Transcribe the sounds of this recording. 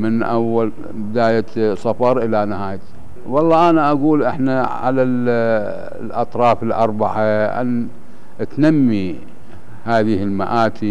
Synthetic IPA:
mɪnʔawːal | bɪd̪aːjasˤɑfɑɾˤʔɪlanɪhaːjt̪ | wɑlˤːɑːʔanaʔaɡuːlʔɪħnaʕa̰lal | lʔɑ̰t̪ˤɾˤɑːfɪlʔɑ̰ɾˤbaʕaʔa̰n | ʔt̪namːi | haːðɪhɪlmaʔaːt̪ʰi

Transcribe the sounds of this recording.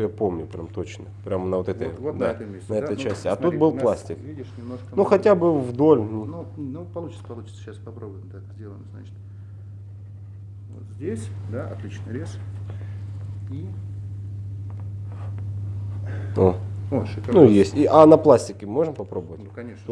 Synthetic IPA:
japo̞mnʲʊpɾʲʔa̰mt̪o̞t͡ɕnəpɾʲamnəvo̞t̪ɛt̪ə̰jd̪at̪ʲenəɛəjt͡ɕːæsʲtʲɪɐt̪ut̪̚bɨlˠplˠasʲtʲɪkvʲidʲɪʂnʲɪmnoʂkənuxɐtʲabɨvd̪o̞lʲnununupɐlˠut͡ɕɪ̥t̪sə̥pɐlˠut͡ɕɪ̥t̪sə̥ɕaspɐpɾobʊjɪmt̪ak̪əzʲdʲelˠəjzna̰t͡ɕɪ̥t̪ | vo̰t̪zʲdʲesʲd̪aɐ̰t̪lʲit͡ɕnɨɾʲes | i | o | nujesʲtʲiʔɐnɐplˠasʲtʲɪkʲɪmo̞ʐɨmpɐpɾo̞tbəvənʲɐnʲeʂ

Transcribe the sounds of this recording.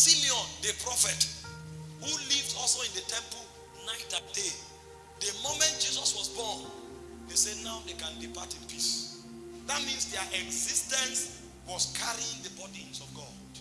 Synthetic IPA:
sĩmiɔ̃ndəpʰɹɔfɛt | hulivdɔlˠsoĩndətʰɛ̃mpəl | naɪtãde | dəmomɛ̃nt̚d͡ʒizɔswɔsbɔ̃n | ðesɛdnawdekãndipʰa̰tĩnpis | ðat̚mĩnsdɛʔɛɡzistɛ̃ns | wɔskʰaɹiĩŋdəbɔdĩŋsɔfɡɔd̥

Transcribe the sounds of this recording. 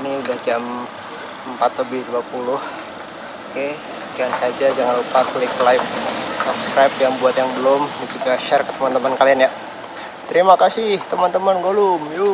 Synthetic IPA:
niudahd͡ʒam | əmpat̪ləbɪhduapulʊh | oke | d͡ʒansad͡ʒad͡ʒaŋanlupakəlɪklajp̚sapskɾajp̚jaŋbuat̪jaŋbəlʊmdad͡ʒuɡaʃɛrkə̥t̪əmant̪əmankalianja | t̪əɾimakasɪht̪əmant̪əmanɡolʊmju

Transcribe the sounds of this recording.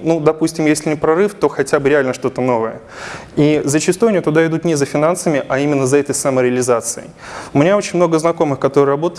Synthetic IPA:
nud̪ɐpusʲtʲɪmjesʲlʲɪnʲɪpɾɐɾɨft̪o̞xɐtʲabɨɾʲɪalʲnəʂt̪o̞t̪əno̞vəjə̰ | izət͡ɕɪst̪ujɐnʲit̪ʊd̪aɪd̪ut̪nʲɪzəfʲɪnansəmʲɪʔɐimʲɪnːəzɐɛt̪əjsɐməɾʲɪəlʲɪzat̪sɨə̰jʊmʲɪnʲao̞t͡ɕɪnʲmno̞ɡəznɐko̞mɨxkɐt̪o̞ɾɨrɐbo̞t̪ə

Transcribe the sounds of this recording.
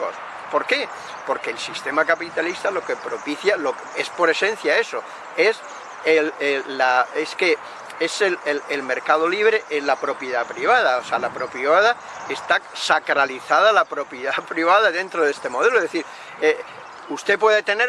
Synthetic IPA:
o̰s | po̞ɾke̞ | po̞ɾke̞ːlsist̪e̞makapit̪alist̪alo̞ke̞pɾo̞piθjaloke̞spo̞ɾe̞sẽ̞n̟θjae̞so̞ | e̞s | elelaeske̞ | eselelelme̞ɾkað̞o̞liβ̞ɾe̞ʔezlapɾo̞pjeðapɾiβ̞að̞aosealapɾo̞piβað̞a | est̪asakɾaliθað̞alapɾo̞pjeðapɾiβ̞aðaðe̞nt̪ɾoð̞e̞st̪e̞mo̞ð̞e̞loðe̞θiɾ | e | ust̪e̞pwe̞ðet̪ene̞

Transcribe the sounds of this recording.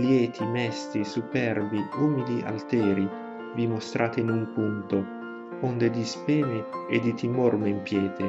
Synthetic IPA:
ljɛːt̪ʰimɛst̪isupɛrbiuːmid̪iʔa̰lt̪ɛːɾi | vimost̪ɾʔaːt̪einumpunt̪o | ɔnd̪ed̪ispɛːneːd̪it̪ʰimɔrmeimpjɛːt̪e

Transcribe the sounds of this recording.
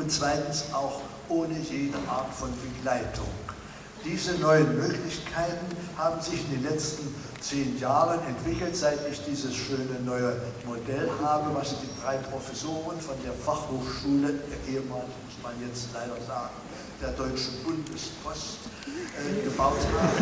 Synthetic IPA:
ʔʊntt͡sv̥aɪtn̩sʔaʊx | ʔoːnəjeːdəʔaɐtfɔnbəɡlaɪtʰʊ̰ŋ | d̥iːzənɔʏənmøːklɪçkʰaɪtn̩haːbm̩zɪçɪndeːnlɛt͡stn̩ | t͡seːnjaːʁənɛntv̥ɪkl̩tz̥aɪtɪçd̥iːzəsʃøːnənɔʏəmodɛlɦaːbəvasd̥iːdʁaɪpʁ̥ofɛsoːʁənfɔndeːɐfaχhoːxʃuːləʔeːəmaːnmʊsmanjɛt͡stlaɪɾɐzaːɡŋ̩ | d̥eːɐdɔʏt͡ʃn̩bʊndəspʰɔst | ʔɛɡəbaʊtɡa

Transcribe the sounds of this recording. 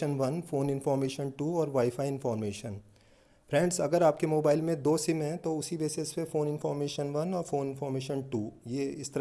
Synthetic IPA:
ənʋɐnfoːnɪ̃nfɔːɾmeːʃənʈuːɔːɾʋaːɪfaːiɪ̃nfɔːɾmeːʃən | pɾɛ̃ːɳɖsɐɡəɾaːp̚kemoːbaːɪlmẽd̪oːsɪmɦɛ̃t̪oʊsibeːsespefoːnɪnfɔːɾmeːʃənʋɐnɔːɾfoːnɪ̃nfɔːɾmeːʃənʈuːjeːɪst̪əɾ

